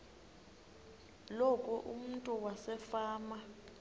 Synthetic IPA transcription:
lokʼuʔum̩ntʼuwasɛfaːma

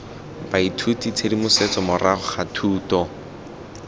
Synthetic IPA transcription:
baitʰutit͡sʰedimʊset͡sɔmʊraχʊχatʰuːtɔ

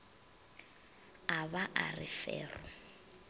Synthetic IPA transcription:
aβaʔarɪfɛːrɔ

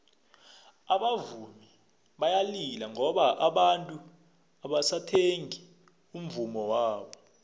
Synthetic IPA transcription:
aɓavumi | ɓajalilaŋɔɓaʔaɓantʼu | aɓasatʰeŋi | um̩vumɔwaːɓɔ

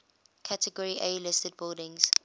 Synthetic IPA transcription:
kʰatʰəɡɔɹiʔeːlɪstəd̚bɪlˠdɪ̃ŋz̥

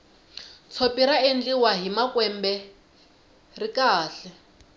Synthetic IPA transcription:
t͡sʰopiɾaend͡ɮiwaɦimakwɛmbɛ | rikʼaːɬɛ

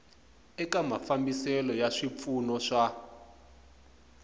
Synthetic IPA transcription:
ɛkamafambisɛlɔjaʂip̪funɔʂa

